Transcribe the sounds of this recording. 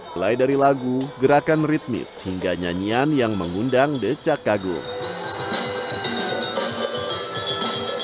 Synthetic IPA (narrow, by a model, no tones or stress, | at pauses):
lajdaɾilaɡuɡəɾakanrit̪̚mɪ̰shiŋɡaɲa̰ɲianjaŋməŋundaŋdət͡ʃakaɡʊ̰ŋ